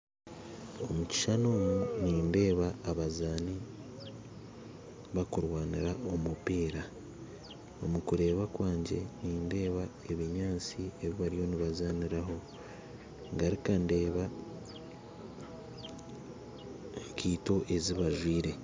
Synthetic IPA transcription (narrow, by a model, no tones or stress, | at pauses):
o̞muci̥ʃano̞ːmuniːnde̞ːβaːβazaːni | βakuɾwaːniɾaʔo̞mupiːɾa | o̞mukuɾe̞ːβakwaːɲɟe̞niːnde̞ːβa | e̞βiɲaːt͡sie̞βiβaɾijo̞niβazaːniɾaɦo̞ | ŋɡaɾikande̞ːβa | kiːto̞ʔe̞ziβaʒwiːɾe̞